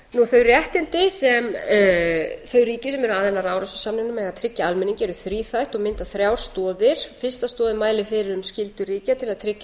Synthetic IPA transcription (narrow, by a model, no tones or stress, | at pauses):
nuθœɥrjɛht̪ɪnt̪ɪsɛm | θœɥriːcɪsɛmɛɾʏaːðɛnaɾaːwɾasʏsamnɪnʏmɛɣaðt̪ʰɾɪcːaalmɪniŋcɪɛɾʏθɾiːθajht̪ɔɣmɪnt̪aθɾjawɾ̥st̪ɔːðɪɾ̥fɪr̥st̪ast̪ɔːðɪmaːjlɪfɪɾɪɾʏmscɪlt̪ʏriːcat̪ʰɪlaðt̪ʰɾɪcːa